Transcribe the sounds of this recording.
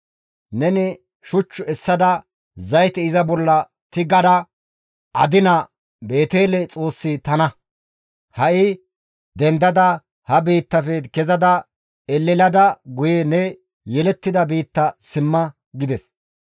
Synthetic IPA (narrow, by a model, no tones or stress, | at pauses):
nɛnɪ | ʃʊt͡ʃːʊɛsːɐd̪ɐ | zɐjt̪ɛɪzɐbɔlːɐ | t̪ɪɡɐd̪ɐ | ʔɐ̰d̪ɪnɐ | be̞ːt̪eːlɛt͡sʼo̞ːsːɪt̪ɐnɐ | hɐʔɪ | d̪ɛnd̪ɐd̪ɐ | hɐbiːt̪ːɐfed̪kɛzɐd̪ɐ | ɛlːɪlɐd̪ɐɡʊjɛnɛ | jɛlɛt̪ːɪd̪ɐbiːt̪ːɐsɪmːɐ | ɡɪd̪ɛs